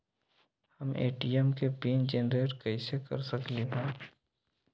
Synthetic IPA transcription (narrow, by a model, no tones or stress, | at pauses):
həmʔḛːʈiəmkepiːnd͡ʒenɾeːʈkəɪsekə̰ɾsəkleɦɛ̃ː